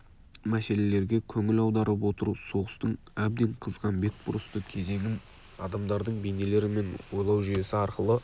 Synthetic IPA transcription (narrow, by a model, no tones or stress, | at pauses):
mæse̞le̞le̞ɾɡʲe̞kʲʰɵŋɪlɑwd̪ɑɾəp̬wo̞t̪əɾuso̞ʁəst̪əɴ | æb̚d̪e̞ɴqʰəzʁɑnbe̞k̚bʊɾəst̪əkʲʰe̞ze̞ŋʲɪn | ɑd̪ɑmd̪ɑɾd̪əɴbene̞le̞ɾɪme̞nwo̞jlˠɑwʒʏje̞sɪɑɾqəlˠə